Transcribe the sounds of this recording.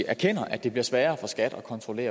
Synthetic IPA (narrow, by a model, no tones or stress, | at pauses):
æɐkʰen̰ɐʔæd̥e̝b̥liɐsʋɛːɐːfɒ̽sɡ̥æd̥ɒ̽kʰɒ̽nt͡sʰʁole̝̰ːɐ